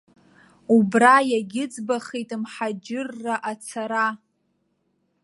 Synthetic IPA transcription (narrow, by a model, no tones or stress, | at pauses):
ubrajaɡʲɪd͡zbaχejtʼmħad͡ʒɪrːaʔat͡sʰaɾa